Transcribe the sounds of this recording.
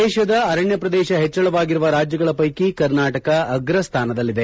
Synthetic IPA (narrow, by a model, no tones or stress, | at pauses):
ɛːʃɐd̪ɐɐɾɐɳjɐpɾɐd̪ɛːʃɐɦet͡ʃːɐɭɐʋaːɡiɾuʋɐɾaːd͡ʒjɐɡɐɭɐpɐjkikɐɾnaːʈɐkɐːɡɾɐst̪ʰaːnɐd̪ɐlːid̪e